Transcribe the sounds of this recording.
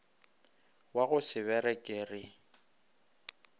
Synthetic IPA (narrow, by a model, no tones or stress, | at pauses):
waɣʊsɪβɛɾɛkʼeːrɪ